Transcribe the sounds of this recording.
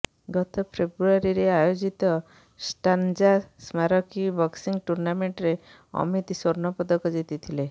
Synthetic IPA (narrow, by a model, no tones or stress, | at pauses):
ɡɔt̪ɔpʰebɾuaɾiɾeajod͡ʒit̪ɔ | sʈand͡ʒasmaɾɔkibʱɔksiŋɡʈuɾnameɳʈɾe | ɔ̰mit̪sɔɾnɔpɔd̪ɔkɔd͡ʒit̪it̪ʰile